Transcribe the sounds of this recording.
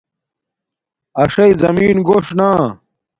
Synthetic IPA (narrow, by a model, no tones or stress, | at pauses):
ɐʂɐjzɐmiːnɡoːʂnaː